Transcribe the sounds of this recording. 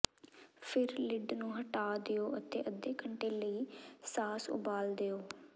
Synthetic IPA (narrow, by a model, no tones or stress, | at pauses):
pʰɪɾlɪɖnũːɦəʈaːd̪eːoːʔət̪ḛːʔəd̪eːkəɳʈeːləiːsaːsʊ̰baːld̪eːoː